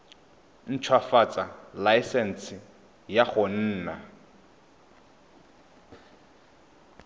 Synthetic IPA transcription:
n̩t͡ʃʰwafat͡sʼalajsɛn̩sɪ | jaχon̩ːna

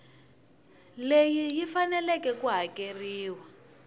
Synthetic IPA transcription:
lejijifanɛlɛkɛkuɦakeriːwa

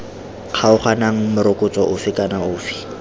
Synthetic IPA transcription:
q͡χʰaʊχanaŋ̩mʊɾʊkʼʊt͡sʼɔʔʊfɪkʼanaʊːfi̥

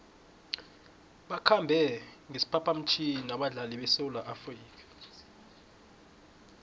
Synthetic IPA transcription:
ɓakʰambʱɛŋesi̥pʰapʰam̩t͡ʃʰiinaɓaɮaliɓɛseulaʔafriːkʰʼḁ

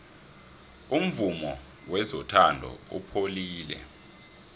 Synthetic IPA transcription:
um̩vumɔ | wɛzɔtʰandʱɔ̰ṵpʰoliːlɛ̰

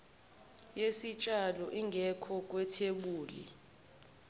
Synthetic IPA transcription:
jesit͡ʃʼalɔʔiŋɡʱɛkʰɔk̬ʼwɛtʰeɓuːlḭ

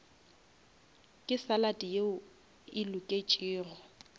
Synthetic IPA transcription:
kʼɪsalatʼijeʊ | ɪlʊkʼet͡ʃʼiːrɔ

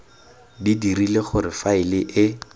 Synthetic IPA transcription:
didirileχʊɾɪfaɪlɪʔɪ

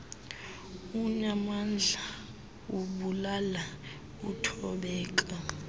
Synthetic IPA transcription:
uɲamand͡ɮʱa | uɓulala | utʰɔɓɛːk̬a

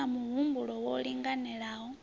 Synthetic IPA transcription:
amuβumbulɔwɔliŋɡanɛlaɦɔ

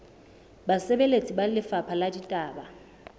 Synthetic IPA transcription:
basɛbelet͡sʼibalɪfapʰaladitʼaːba

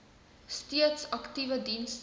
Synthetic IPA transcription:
stiətsɐktivədins

